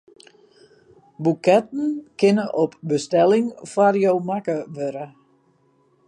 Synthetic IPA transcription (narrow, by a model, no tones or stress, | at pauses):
bukɛt̚n̩kɪnəʔɔpbəstɛlɪŋfarjowmakəʋøɾə